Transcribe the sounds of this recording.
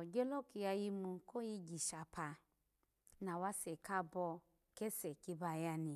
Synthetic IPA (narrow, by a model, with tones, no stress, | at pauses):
ɔ˨d͡ʒɔ˦lɔ˦ki˧ja˧ji˧mũ˧ko˦ji˧d͡ʒi˨ʃa˨pʰa˧ | na˨wa˦sɛ˨ka˦bɔ˧ | kɛ˦sɛ˨ki˧ba˧˨ja˧ni˨